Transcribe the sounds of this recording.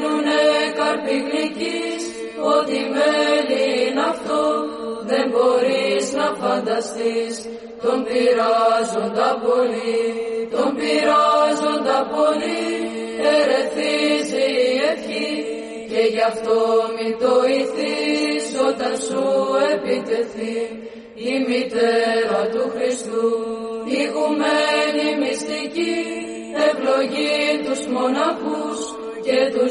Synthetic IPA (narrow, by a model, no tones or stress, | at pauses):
nunekɐɾpiɣlicis | o̞t̪imeninɐft̪o | ðe̞mbo̞ɾiiznɐfɐnd̪ɐst̪is | t̪o̞mbiɾazond̪ɐpo̞lit̪o̞mbiɾazond̪ɐpo̞li | eɾe̞θiziefçi | ce̞ʝɐft̪o̞mind̪o̞iθiso̞t̪ɐnsue̞pit̪e̞θiː | mit̪eɾɐt̪uxɾist̪uiɣumenimist̪ici | e̞vloʝit̪uzmo̞nɐxus | ce̞t̪u